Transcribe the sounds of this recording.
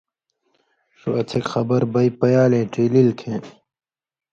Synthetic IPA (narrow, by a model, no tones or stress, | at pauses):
suɐt̪ʰekxɐbɐɾbɐipɐjaːlẽːʈiːlilkʰẽː